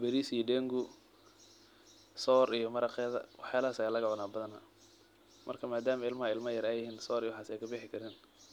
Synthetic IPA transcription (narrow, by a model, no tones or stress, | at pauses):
bɛɾiːsijɔɖɛŋɡʊ | sɔːɾijɔmɐɾɐqɛːðɐ̰wɑħjaːlɐɦaːsɐlɐɣɐʕʊnaːbɐðɐnɐ | mɐ̰rkʰɐmaːd̪aːmɐɪlmɐɦɐɪlmɐjɐɾɛjɪɦiːnsɔːɾijwħaːsɛjkʰɐbɪħɪkʰɐɾɪːn